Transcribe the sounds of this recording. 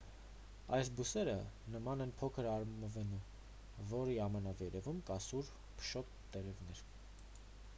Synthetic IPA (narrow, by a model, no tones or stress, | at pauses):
ɑjsbusɛɾənəmɑnɛnpʰɔkʰəɾɑɾmməvɛnum | vɔɾiɑmənɑvɛɾɛvumkɑsuɾ | pʰə̥ʃɔt̪ːɛɾɛvnɛɾ